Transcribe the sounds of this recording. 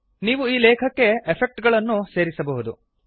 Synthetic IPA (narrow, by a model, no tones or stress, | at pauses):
niːʋuiːlɛːkʰɐkːe̞epʰek̚ʈɡɐɭɐnːuse̞ːɾisɐbɐɦud̪u